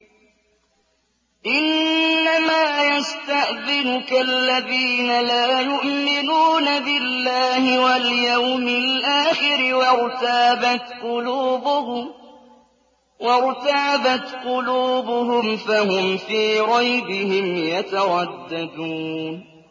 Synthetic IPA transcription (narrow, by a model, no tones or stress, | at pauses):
ʔɪnːamaːjast̪aʔðɪnʊkaʔlːaðiːnalaːjʊʔmɪnuːnabɪlːaːhɪwaljawmɪlʔaːxɪɾɪwɑɾt̪aːbat̪qʊluːbʊhʊm | wɑɾt̪aːbat̪qʊluːbʊɦʊmfahʊmfiːɾˤɑjbɪhɪmjat̪aɾˤɑd̪ːad̪uːn